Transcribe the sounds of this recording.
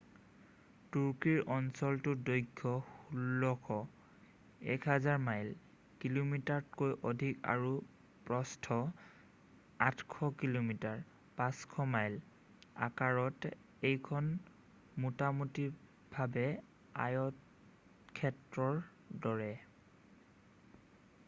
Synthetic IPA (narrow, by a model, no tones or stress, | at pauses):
tuɹkiɹʔɔnsɔltʊdojɡʰʱːɔxulːɔkʰɔ | ɛ̰kʰɦazaɹmajl | kilomitaɹtkojʔɔdʱika̰ɹu | pɹɔstʰɔ | atkʰɔkilomitaɹ | pãskʰɔmajl | a̰kaɹɔt | ejkʰɔn | mutamutiɹ | bʱabɛ | a̰jɔt | kʰɛtɹɔɹ | dɔɹɛ